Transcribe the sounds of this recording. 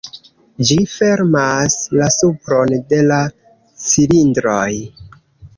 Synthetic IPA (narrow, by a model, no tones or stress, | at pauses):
d͡ʒife̞ɾmaslasupɾo̞nde̞la | silindɾoj